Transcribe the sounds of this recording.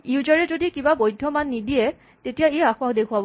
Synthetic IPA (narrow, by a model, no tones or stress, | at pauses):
iuzaɹɛzodikibabojdʱɔmanːidiɛ | tetijaejaxʊakdekʰʊabɔ